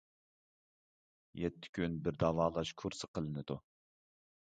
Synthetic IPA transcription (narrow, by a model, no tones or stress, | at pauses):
jɛt̪ʰːɪ̥kʲʰynbɪɾd̪ɑːvɑːlˠɑʃkʰuɾsɨqʰəlˠɨnɨd̪u